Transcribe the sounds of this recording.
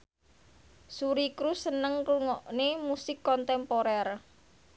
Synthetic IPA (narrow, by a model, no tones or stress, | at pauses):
suɾikɾusːənəŋkluŋɔʔnemusɪkːɔnt̪ɛmpoɾɛr